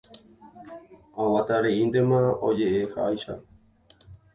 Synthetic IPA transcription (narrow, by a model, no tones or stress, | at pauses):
awat̪aɾeind̪emãod͡ʒeʔehaʔajʃa̰